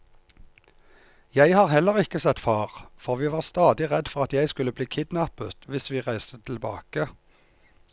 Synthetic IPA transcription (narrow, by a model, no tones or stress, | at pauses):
jæɪhɑːʁhɛləʁɪkəsɛt̪fɑːʁfɔʁʋiːʋɑːʁst̪ɑːd̪ɪʁɛd̪fɔʁɑt̪jæɪskʉləbliːkʰɪd̪nɑpət̪ʋɪsʋiːʁæɪst̪ət̪ʰɪlbɑ̰ːkə